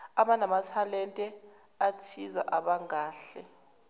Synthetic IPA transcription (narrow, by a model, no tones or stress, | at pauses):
aɓanamatʰalɛntʼɛ | atʰiza̰ʔaɓaŋaːɬɛ